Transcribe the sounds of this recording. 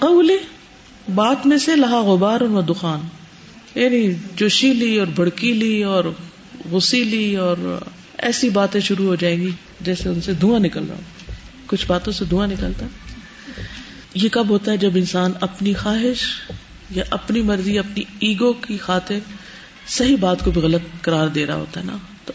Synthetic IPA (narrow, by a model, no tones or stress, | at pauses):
qɐuːle | baːt̪mẽselɐɦaɣʊbaːɾʊnʋɐd̪ʊxaːn | jaːnit͡ʃʊːʃiliɔːɾbʱɐɽkiliːɔːɾ | ɣʊsiliɔːɾ | ɛ̰ːsibaːt̪ẽʃʊɾuɦod͡ʒaːẽːɡi | d͡ʒɛːseʊnsed̪ʱuːãnɪkəlɾa̰ː | kʊt͡ʃʰbaːt̪õsed̪ʱũːãnɪkəlt̪aɦɛ | jekɐbɦoːt̪aɦɛd͡ʒɐbɪnsaːnɐpnixaːɦɪʃ | jaʔɐpnimɐɾzijɐpniiːɡõkixaːt̪ɪɾ | sɐɦibaːt̪kobʱiɣɐlət̪kɐɾaːɾd̪eːɾa̰ɦo̰ːt̪aɦɛ̰na | t̪o